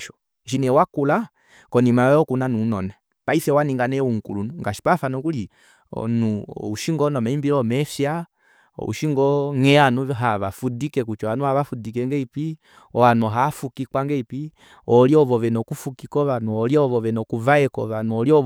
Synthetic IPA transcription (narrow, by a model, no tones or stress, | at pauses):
ʃɔ | ʃinɛwakula | kɔnimaɔkunanunɔnɛ | paiθɛwaniŋɡanɛuŋ̩kulunuŋɡaʃi̥pafanɔkulḭ | nuuʃiŋɡɔnɔmɛimbilɔmɛfja̰ | ṵʃiŋɡɔŋɛanuɦaβafudikɛkut͡ʃɔanuhaβafudikɛŋɡɛipi | ɔanuɦafukikwaŋɡɛipi | ɔliɔvɔvɛnɔkufukikɔβanuɔliɔvɔvɛnɔkuvaɛkɔ̰βanuɔliɔ